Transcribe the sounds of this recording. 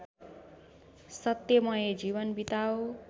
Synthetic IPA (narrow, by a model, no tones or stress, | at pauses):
sʌt̪jʌmʌjed͡zibʌnbit̪awo